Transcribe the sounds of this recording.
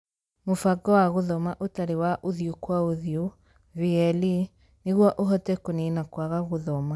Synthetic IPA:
mofaɡɔwaɣoðɔmaʔotaɾewaʔoðiokwaoðio | viɛli | neɣwɔʔoɦɔtɛkonenakwaɣaɣoðɔma

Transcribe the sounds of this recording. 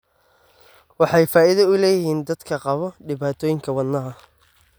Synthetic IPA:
wɑħɑjfaːɪðɐʊlɛːjɪɦiːnd̪ɐd̪kʰɐqɑβɔɖɪβaːt̪ʰɔːjɪŋkʰɐwɐnnːɐɦɐ

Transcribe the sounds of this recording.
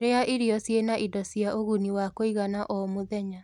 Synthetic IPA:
ɾeaʔiɾiɔsjenaʔidɔsjaʔoɣuniwakoiɣanaʔɔmoðɛɲa

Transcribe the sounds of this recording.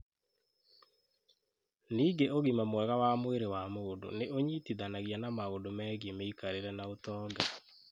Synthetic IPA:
niːɡeoɣimamwɛɣawamoweɾewamodo̰neʔoɲitiðanaɣijanamaɣodomɛɣemeikaɾeɾɛnaotɔːɡa

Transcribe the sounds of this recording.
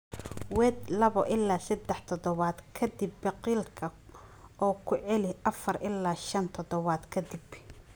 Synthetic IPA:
wɛd̪lɐβɔʔɪlːaːsɐd̪ːɛħt̪ʰɔd̪ɔβaːd̪kʰɐd̪ɪbːɛqiːlkʰɐ | ɔːkʰʊʕɛlɪʔɐfɐrʔɪlːaːʃɐnt̪ʰɔd̪ɔβaːd̪kʰɐd̪ib

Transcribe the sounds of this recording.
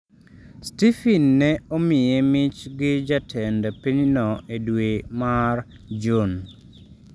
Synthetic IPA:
stifinːɛomɪjemɪt͡ʃɡɪd͡ʒatʰɛndapiɲnɔʔedwemar | d͡ʒon

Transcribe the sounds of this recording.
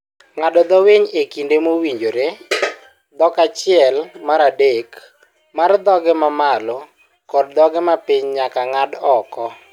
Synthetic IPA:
ŋadɔd̪ɔweɲekindemowiɲd͡ʒoɾe | d̪ɔkat͡ʃɪɛlmaɾadek | mard̪ɔɡɛmamalɔ | kɔd̚d̪ɔɡɛmapɪɲɲakaŋadɔkɔ

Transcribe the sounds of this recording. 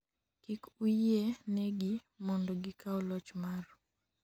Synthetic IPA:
kikuenɛɡi | mɔndɔɡikaɔlɔt͡ʃmar

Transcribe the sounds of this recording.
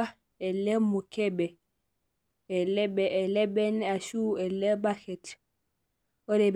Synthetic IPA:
a | ɛlɛmukɛbɛ | ɛlɛbɛɛlɛbɛnɛaʃuɛlɛbaxɛt | ɔɾɛb

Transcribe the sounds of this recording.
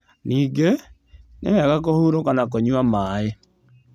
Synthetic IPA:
niːɡe | nḛwaɣak̬ohuːɾokanak̬oɲwamae

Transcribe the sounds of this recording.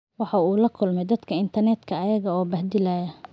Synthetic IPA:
wɑħɑuːlɐkʰʊlmɛd̪ɐd̪kʰɐɪnt̪ʰɐrnɛd̪kʰɐːjɐɣɐɔːbɐhd̪ɪlaːjɐ

